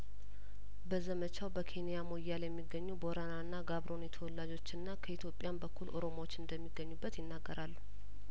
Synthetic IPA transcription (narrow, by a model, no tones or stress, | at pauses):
bəzəmət͡ʃʰawbəkʰe̞nijamo̞jːaljɛmːiɡːəɲːubo̞ɾananːaɡaβɾo̞njɛt̪ʰəwɔlːad͡ʒo̞t͡ʃːɨnːakʰəit̪ʰjo̞pʼːjanbəkːulʔo̞ɾo̞mawot͡ʃːɨnd̪əmːiɡːəɲːubːət̪jɪnːaɡːəɾalːu